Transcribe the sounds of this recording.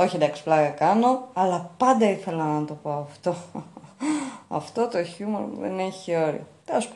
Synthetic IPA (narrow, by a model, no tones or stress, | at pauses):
o̞çiend̪ɐksi̥plɐɣɐkɐno̞ɐlɐpɐnd̪ɐiθe̞lɐnɐt̪o̞po̞ɐft̪o̞ | ɐ̰ft̪o̞t̪o̞çumoɾmṵðḛneçio̞ɾḭot̪eɐsp